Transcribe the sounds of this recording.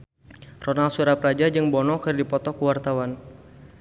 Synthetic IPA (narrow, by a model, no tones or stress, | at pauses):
rɔnalsuɾapɾad͡ʒad͡ʒɨŋbɔnɔkɨrdipɔt̪ɔkuwart̪awan